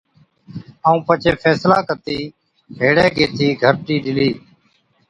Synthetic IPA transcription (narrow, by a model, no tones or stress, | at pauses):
əũːpət͡ʃeːfʰɛːslaːkət̪iː | ɦeːɽeːɡeːt̪ʰiːɡʱəɾʈiːɗɪliː